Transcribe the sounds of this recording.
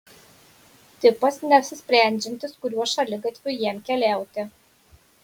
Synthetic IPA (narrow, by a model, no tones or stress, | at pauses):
t̪ʲɪpɐsnʲɛɐpʲsʲɪsʲpʲɾʲæˑnʲd͡ʒʲɛnʲt̪ʲɪskʊɾʲuɔʃɐlʲɪɡɐt̪ʲʋʲʊjiɛmkʲɛlʲæˑʊt̪ʲɪ